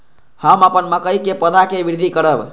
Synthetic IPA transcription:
həməpənməkəjkepəd̪ʱakebiɾd̪ʱikəɾəb

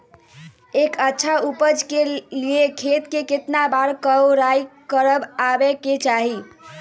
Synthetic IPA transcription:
ekətːʃʰaupəd͡ʒkeliekʰet̪keket̪nabaɾkəɾajkəɾəbabeket͡ʃaɦi

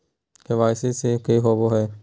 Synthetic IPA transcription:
hɪʋaːɪseːseːkeiːɦoːboːɦɛː

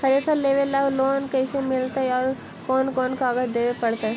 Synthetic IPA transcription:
xɐɾesaleːʋelɐʋloːnkɛːsemɪlt̪eɦɛɔːɾ | kɔːnkɔːnkaːɡət̪d̪eːʋepɐɽt̪eɦɛ

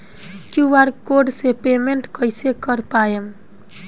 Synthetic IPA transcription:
kjuʋaɾkoɖsepemeɳʈkəjsekəɾpaem

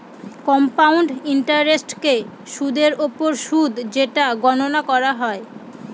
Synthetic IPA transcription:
kɔmpawɳɖiɳʈaɾɾesʈkeʃud̪eɾopoɾʃud̪ʱd͡ʑeʈaɡɔnonakɔɾaɦɔe

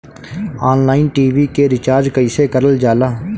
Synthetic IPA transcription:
aːnlaːɪnʈiːʋikeɾɪt͡ʃaːɾd͡ʒkəɪsekəɾəld͡ʒaːlaː

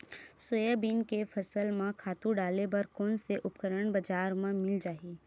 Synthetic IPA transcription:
swəjəbiːnkepʰɐsəlmãkʰaːt̪ũɖaːlebɐɾkɔːnseʔʊpkəɾəɳ̃bɐd͡ʒaːɾmãmɪld͡ʒaːɦiː

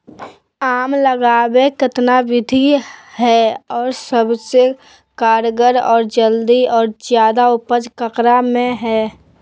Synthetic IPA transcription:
aːmləɡaːwekɪt̪naʋɪd̪ʱihɛɔːɾsəbse | kaːɾɡəɾɔːɾd͡ʒəld̪iɔːɾzjaːd̪aʊpəd͡ʒkəkɾamẽɦɛː

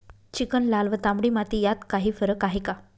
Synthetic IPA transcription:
t͡ɕikənlalʋət̪ãmɽimat̪ijat̪kaɦiːfəɾəkaɦika

